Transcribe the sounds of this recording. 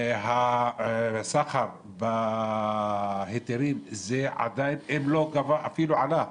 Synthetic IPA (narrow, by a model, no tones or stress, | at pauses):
ɦa | saχaɾ | ba | het̪eɾimzeʕa̰d̪ajinemlo̞ɡavaʔafiluʕala